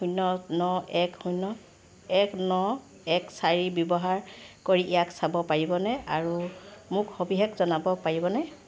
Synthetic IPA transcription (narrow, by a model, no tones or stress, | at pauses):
ujnɔnɔɛkhujnɔ | ɛknɔ | ɛksaɹibjɔbɔɦaɹkoɹiʔijaksabɔpaɹibɔnɛʔaɹumʊkxobiɦɛkzɔnabɔpaɹibɔnɛ